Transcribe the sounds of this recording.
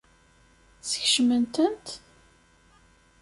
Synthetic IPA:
səçʃmənt̪ənt̪

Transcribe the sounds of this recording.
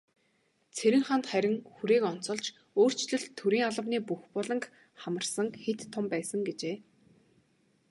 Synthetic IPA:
t͡sʰeɾʲɪ̆ŋχant̪χæɾʲɪ̆ŋxuɾeːkɔn̥t͡sɞ̆ɮt͡ɕ | oːr̥t͡ɕɮɵ̆ɮt̪ʰːɵɾiːŋaɮə̆wniːpuxpɔɮɞ̆ŋk | χamə̆rsə̆ŋxet̪ʰːʊmpæːsə̆ŋɡet͡ɕeː

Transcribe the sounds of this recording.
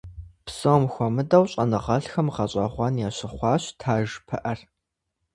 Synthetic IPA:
psomxʷɔmɨdɐwɕʼɐnɨʁɐɬxɐmʁɐɕʼɐχʷɑːnjaːɕɪχʷɑːɕtʰaːʒpʰɐ̰ʔɐr

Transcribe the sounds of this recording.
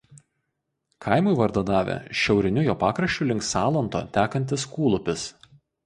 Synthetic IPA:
kʰɐɪmʊɪʋɐɾd̪od̪ɑːʋʲḛʃʲɛʊɾʲɪnʲʊjoːpɑːkɾɐʃʲt͡ʃʲʊlʲɪŋksɑːlˠɐnt̪o̰ːt̪ʲæːkɐnʲt̪ʲɪskuːlˠʊpʲɪs

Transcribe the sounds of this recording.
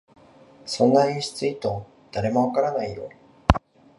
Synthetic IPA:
sõ̞nːaɲiɕi̥t͡sɨit̪o̞ | d̪̥aɾe̞mo̞βakaɾanaij̪o̰

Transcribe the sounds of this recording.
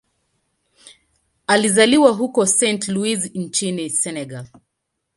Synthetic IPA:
alizaliwaɦukɔsɛ̃ntluiznt͡ʃinisɛnɛɡal

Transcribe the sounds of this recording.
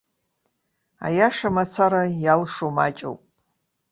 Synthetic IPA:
a̰jaʂamat͡sʰaɾajalʂoma̰t͡ʃʼo̰wpʼ

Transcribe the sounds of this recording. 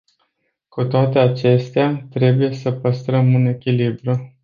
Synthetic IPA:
kut̪oat̪e̞at͡ʃe̞st̪eat̪ɾe̞buje̞səpəst̪ɾəmune̞kʲilibɾu

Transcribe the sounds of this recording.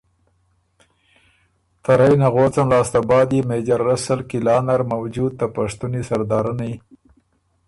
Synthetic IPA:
t̪aɾajnaɣot͡samlɑːst̪abɑːd̪imed͡ʒaɾːasalkɪlɑːnaɾmawd͡ʒud̪̚t̪apaʂt̪unisaɾd̪ɑːɾani

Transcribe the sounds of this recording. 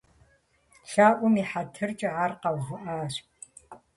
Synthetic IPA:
ɬaːʔʷʊmiːħatʰɨrt͡ʃʼɪʕarqɐwɣʷʊʔaːɕ

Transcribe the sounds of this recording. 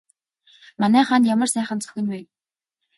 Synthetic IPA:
manæːχant̪jamə̆rsæːχə̆nt͡sœ̥xʲɪ̆nwe

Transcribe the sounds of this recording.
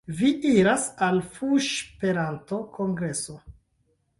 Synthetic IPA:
viʔiɾasalfuʃpe̞ɾanto̞kʰoŋɡɾe̞so

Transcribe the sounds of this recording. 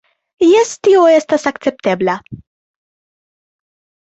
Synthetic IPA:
jɛst̪iɔɛst̪ɐsɐkt͡ʃɛp̚t̪ɛblɐ

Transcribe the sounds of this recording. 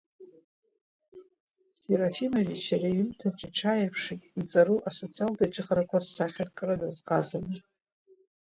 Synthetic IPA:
seɾafimarit͡ʃʰaɾajʏmtʰat͡ʃʼaʈ͡ʂʰajapʰʂekʲʼit͡sʼaɾuʔasot͡sʰialdaʈ͡ʂʼɨχʼrakʷasaχʲarkʼɨradazqʼazanɨ

